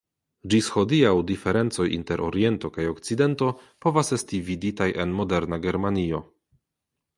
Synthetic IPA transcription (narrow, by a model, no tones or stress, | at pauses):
d͡ʒisxo̞diawdife̞ɾe̞nt͡so̞jḭnte̞ɾʔo̰ɾije̞nto̞kajokt͡side̞nto̞po̞vase̞stividitajʔe̞nmo̞de̞ɾnaɡe̞ɾmanio̞